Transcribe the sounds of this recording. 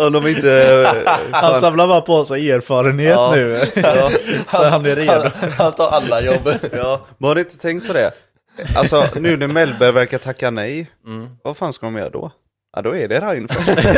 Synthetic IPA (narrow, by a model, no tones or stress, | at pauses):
ɔd̪ɔmɪnt̪ə | hansamlabɑːɾapʰɔasaeːɾfɑːɾənheːt̪nʉ̟ː | sɔhanæɾed̪ʊhant̪ʰɑːɾalːajɔbːjɑːmɛnhad̪ɪɪnt̪ət̪ʰɛŋkt̪̚pʰɔd̪ɛ̰ | ʔa̰lsɔnʉ̟ːnɛmɛlbəɾvæɾkat̪ʰakːanɛj | vafaːnskamjœ̰ɾd̪ɔ̰ | ʔad̪ɔɛɖɛɾaɪnfœ̰